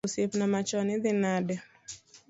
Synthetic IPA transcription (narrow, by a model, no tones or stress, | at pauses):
osepnamat͡ʃɔnɪd̪ɪnadɛ